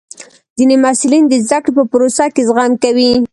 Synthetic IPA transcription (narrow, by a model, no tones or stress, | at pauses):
zinemasulind̪əzd̪akɽepəpʊɾosakezɣɑmkawi